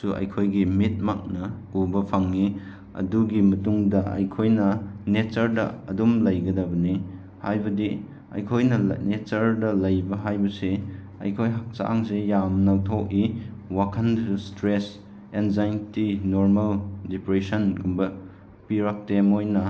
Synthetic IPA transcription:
suʔɐ̰jkʰojɡimit̚ma̰k̚nɐubɐpʰaŋːi | ɐ̰duɡimɐtuŋdɐɐ̰jkʰojnɐnet͡ʃɐɾdɐ̰ɐ̰dumlɐjɡɐdɐbɐni | hajbɐdi | ɐ̰jkʰojnɐ̰net͡ʃɐɾdɐlɐjbɐɦajbɐse | ɐ̰jkʰojɦak̚sa̰aŋsejamnɐwtʰowkiwakʰɐnstɾes | enzajntinoɾmɐldipɾesɐnɡumbɐ | piɾak̚temojnɐ

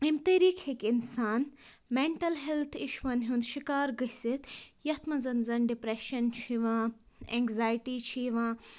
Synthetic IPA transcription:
imt̪eɾiːkʰhikinsaːn | meɳʈɐlɦelt̪ʰiʃʋɐnɦũnd̪ʃikaːɾɡɐsit̪jɐt̪mɐzɐnzɐnɖipɾeʃɐnt͡ʃʰiʋãːɛ̰ŋɡzaːjʈit͡ʃʰiʋãː

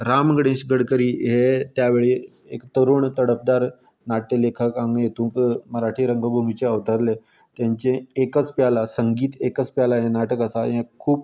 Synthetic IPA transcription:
ɾamɡɽẽɕɡəɽkəɾiːɦet̪jaʋeɭe | ekt̪əɾuːɳt̪əɽəp̚d̪aɾ | naʈelekʰəkãŋɡjet̪ũːkməɾaʈʰiːɾəŋɡəbʱumit͡ɕeəʋt̪əɾle | t̪jãɲt͡ɕẽːkət͡spjalasəŋɡiːt̪ekət͡spjalaɦẽnaʈəkəsaɦẽkʰuːp

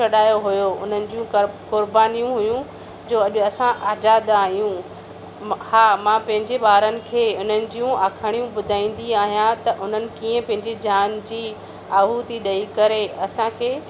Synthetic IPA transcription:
ɐɗaːjoɦʊjoʊn̤ənɪ̆d͡ʑiũkʊɾbaːnijũɦʊjũ | d͡ʑoːɐʄʊɐsãʔaːd͡ʑaːd̪aːɦijũ | haːmãpɐ̃ɦɪ̃ɲd͡ʑeɓaːɾənɪ̆kʰeːʊn̤ənɪ̆d͡ʑijũʔaːkʰəɽ̃ijũɓʊd̪ʱaːĩːn̆d̪iaːɦijãt̪ɐʔʊn̤ənɪ̆kiːə̃pɐ̃ɦɪ̃ɲd͡ʑed͡ʑaːnd͡ʑiː | aːɦut̪iɗɐikɐɾeɐsãkʰeː

